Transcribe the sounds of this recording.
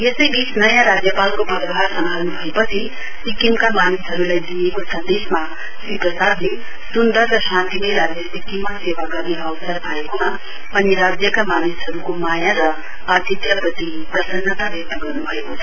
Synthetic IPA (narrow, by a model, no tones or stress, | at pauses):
jesʌjbisnʌjãɾad͡zjʌpalkobʱʌdɦaɾsʌmbʱalnubʱʌepʌt͡sʰi | sikimkamanisɦʌɾulajd̪ijekosʌ̃nd̪esma | siprʌsad̪le | sund̪ʌrːʌsãnt̪ileɾad͡zjʌsikimʌsewaɡʌɾiʌwsʌɾpaekoma | ʌniɾad͡zjʌkamanisɦʌɾukomajaɾʌ | ad̪ʱit̪jʌpɾʌt̪ipɾʌsʌnːʌt̪abek̚t̪ʌɡʌrnubʱʌjo